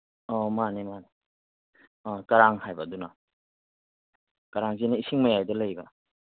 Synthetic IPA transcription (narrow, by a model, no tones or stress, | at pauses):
ɔmanimani | ɔkaɾaŋhajbaduna | kaɾaŋzenaisiŋmajajdɐlajba